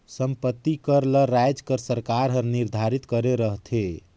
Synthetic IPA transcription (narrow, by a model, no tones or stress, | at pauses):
səmpət̪ːikəɾləɾajd͡ʒkəɾsəɾkaɾɦəɾniɾd̪ʱaɾit̪kəɾeɾəɦt̪ʰe